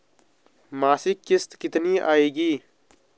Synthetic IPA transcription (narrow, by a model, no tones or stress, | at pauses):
maːsikːɪst̪kɪt̪niːʔa̰ːiːɡiː